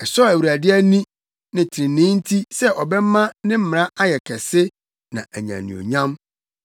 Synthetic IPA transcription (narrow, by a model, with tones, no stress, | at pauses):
ɛ˨sɔ˦æ˨wɥi˨ɾæ˨dɪ˦æ˦nĩ˦ | nɪ̃˨tʰɪ˨ɪ̃˨nɪ̃˦n̩˦tʰi˦sɛ˦ʔɔ˨bɛ˦mã˦nɪ̃˦m̩˦m˨ã˦ʔa˦jɛ˨kʰɛ˨sɪ˦ | nã̰˨ʔæ˨ɲã̰˨nḭ̃˨o̰˨ɲã˦m